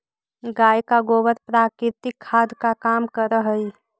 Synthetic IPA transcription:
ɡaːjkaɡoːʋəɾpɾaːkɾɪt̪ɪkʰːaːd̪kakaːmkəɾəɦəi

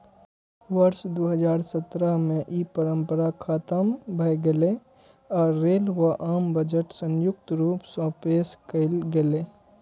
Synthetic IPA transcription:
ʋəɾʃd̪oːɦəd͡ʒaːɾsət̪ɾəmẽʔiːpəɾə̃mpəɾakʰaːt̪əmbʱɐjɡele | ɔːɾːeːlwaʔaːmbəd͡ʒəʈsə̃njʊk̚t̪ɾuːpsɔ̃ːpeːskəɪlɡeleː

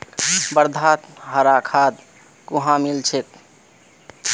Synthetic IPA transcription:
bəɾd̪ʱat̪ɦəɾakʰad̪ | kuɦãmilt͡ʃʰek̚

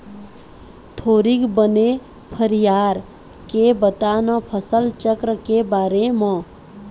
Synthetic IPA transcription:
t̪ʰoɾikbəne | pʰəɾijaɾ | kebət̪anəpʰəsəlt͡ʃəkɾəkebaɾemʌ̃

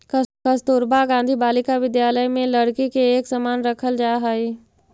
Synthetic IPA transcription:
kkɐst̪ʊːɾbaɡãːnd̪ʱibaːlɪkaʋɪd̪jaːləjmẽlɐɽkikeːksɐmaːnɾɐkʰəld͡ʒaːɦaːiː

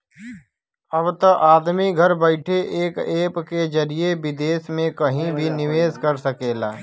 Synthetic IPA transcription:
ɐbt̪ɐʔaːd̪miɡʱɐɾbəɪʈʰeʔeːkeːpked͡ʒɐɾijebɪd̪eːsmẽkɐɦĩbʱinɪʋeːzkɐɾsɐkeːlaː

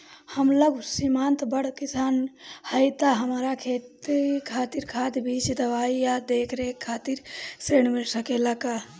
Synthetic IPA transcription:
həmləɡsimant̪bəɽ̤kisaːnhəjt̪aɦəmɾakʰet̪ikʰat̪iɾkʰat̪bʱit͡ʃd̪əʋaijad̪ekʰɾekʰːaːt̪iɾseɽmilsəkelaka

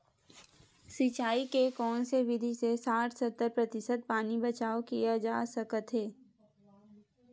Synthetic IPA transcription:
sit͡ʃaːikekɔːnseʋɪd̪ʱisesaːʈsət̪ːəɾpɾɐt̪ɪʃət̪̚paːnibɐt͡ʃaːokijad͡ʒaːsəkət̪ɦɛː

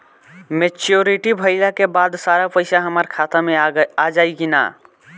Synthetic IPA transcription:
met͡ʃjoɾiʈibʱəɪlakebad̪saɾapəɪsaɦəmaɾkʰat̪amead͡ʒaiɡina̰

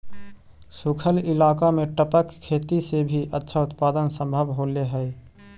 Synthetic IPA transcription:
sukʰəlɪlaːkameʈəpəkʰːet̪isebʱiʔətːʃʰaʊt̪paːd̪ənsə̃mbʱəbɦoleɦə

